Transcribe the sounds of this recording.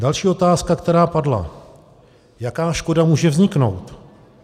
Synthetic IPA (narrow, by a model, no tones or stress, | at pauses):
dalʃiːo̞t̪aːskakt̪ɛɾaːpadla̰ | jakaːʃko̞damuːʒɛvzɲɪkno̞̰wt̪